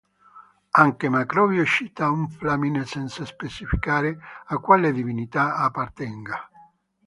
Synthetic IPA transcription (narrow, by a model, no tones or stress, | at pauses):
aŋkemakɾɔːvjoʃit̪auɱflaminsɛnt̪saspet͡ʃifikaːɾeakːwaled̪ivinit̪aapːart̪ɛŋɡa